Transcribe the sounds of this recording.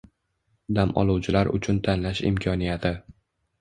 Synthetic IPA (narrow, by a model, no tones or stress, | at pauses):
d̪amʔɒ̰lˠuwt͡ʃʰɪlaɾʔʊ̰t͡ʃʰʊnt̪ʰanlaʃɪ̰mkʰɒnijat̪ʰɪ